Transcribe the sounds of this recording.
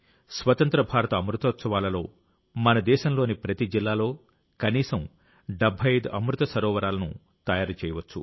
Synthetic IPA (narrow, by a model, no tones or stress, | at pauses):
sʋɐt̪ɐnt̪ɾɐbʱaːɾɐt̪ɐːmɾut̪ɐɐt̪sɐʋaːlɐlo̞ː | mɐnɐd̪ɛːʃɐmloːnipɾɐt̪id͡ʒilːaːlo̞ː | kɐniːsɐm | ɖɐbʱɐjɐjd̪uʔɐmɾut̪ɐsɐɾɔːʋɐɾaːlɐnṵ | t̪ɐjaːɾt͡ʃɛːjɐʋɐt͡ʃːṵ